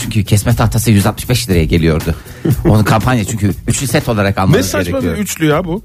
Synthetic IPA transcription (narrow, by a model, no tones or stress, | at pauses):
t͡ʃʰyɲcʰycʰɛsmɛt̪ʰaft̪ʰasɯjyzalt̪̚mɯʃbɛʃlʲiɾejɛɟe̞lʲijo̞ɾd̪ʊ | o̞nunkʰampʰanjat͡ʃʰyɲcʰyyt͡ʃlʲysɛt̪ʰo̞lˠaɾakalˠmɛsaeɾeaijoyt͡ʃlʲyjabu